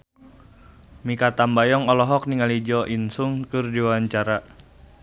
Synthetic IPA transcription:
mikat̪ambajɔŋɔlɔɦɔk̚niŋalid͡ʒɔʔinsuŋkɨrdiwawaɲt͡ʃaɾa

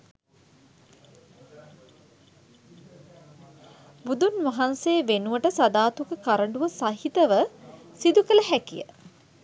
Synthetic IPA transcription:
bud̪unʋɐɦanseːʋenuʋəʈəsad̪aːt̪ukəkaɾəɳɖuʋəsaɦit̪əʋəsid̪ukələɦækijə̰

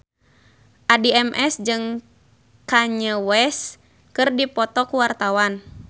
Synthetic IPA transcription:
ʔadiɛmʔɛsd͡ʒɨŋ | kaɲəwɛs | kɨrdipɔt̪ɔkuwart̪awan

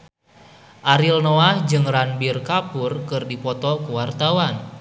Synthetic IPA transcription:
ʔaɾilnoahd͡ʒɨŋranbirkapurkɨrdipɔt̪ɔkuwart̪awan

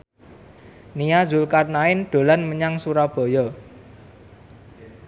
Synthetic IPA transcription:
nijazulkat̪̚naɪnɖ̪̥o̤lanməɲaŋsuɾab̥ɔ̤jɔ

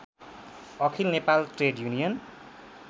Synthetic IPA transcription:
ʌkʰilnepalʈreɖjunijʌn

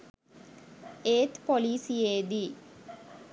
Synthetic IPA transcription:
eːt̪poliːsjeːd̪i

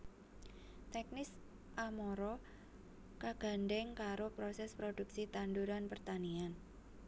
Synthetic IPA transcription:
t̪ɛk̚nɪs | ʔamɔɾɔ | kaɡ̥a̤nɖɛŋkaɾopɾosɛspɾoduksit̪anduɾanpərt̪anian

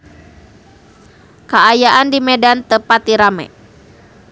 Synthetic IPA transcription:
kaːjaʔandimɛdant̪əpat̪̚diɾamɛ̰

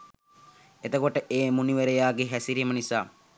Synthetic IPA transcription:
et̪əkoʈəʔeːmuniʋeɾejaːɡeɦæsiɾiːmənisaː

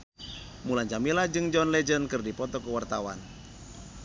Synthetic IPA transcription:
mulaɲd͡ʒamilad͡ʒɨŋd͡ʒɔnlɛd͡ʒənkɨrdipɔt̪ɔkəwart̪awa̰n

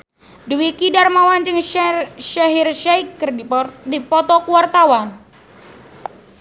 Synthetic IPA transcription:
duwikidarmawand͡ʒɨŋʃaɦirʃajkːɨrdidipɔt̪ɔkuwart̪awan

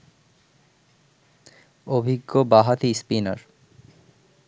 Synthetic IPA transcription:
obʱiɡːobaɦat̪ispina̰ɾ

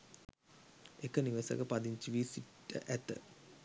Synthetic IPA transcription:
ekəniʋəsə̰kəpad̪iɲt͡ʃiʋiːsiʈːə̰ʔæt̪ə̰

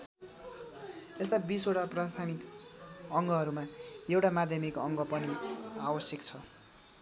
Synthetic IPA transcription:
est̪abisoʈaprast̪ʰamik | ʌŋɡʌɦʌɾumaewʈamad̪ʱjʌmikʌŋɡʌpʌniabʌsjʌkt͡sʰʌ

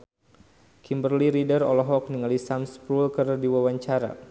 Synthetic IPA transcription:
kimbərliɾidərɔ̰lɔɦɔk̚niŋalisamspɾulkərdiwawaɲt͡ʃaɾa̰

